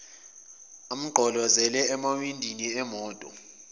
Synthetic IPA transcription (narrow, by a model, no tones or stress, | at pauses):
am̩ɡ͡ǃʱɔlɔzɛlɛɛmawindʱiniɛmɔːtʼɔ̰